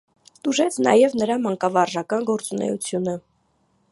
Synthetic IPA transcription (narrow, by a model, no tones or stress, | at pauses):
t̪uʒɛt͡sʰnɑ̰jɛvnəɾɑmɑŋkɑvɑrʒɑkɑnɡɔɾt͡sunɛ̰jṵt͡sʰjunə